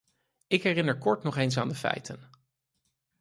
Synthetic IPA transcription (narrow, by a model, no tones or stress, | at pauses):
ɪkɦɛrɪnəɹkɔɹtnɔχejns̬aːndəfɛ̰jtʰən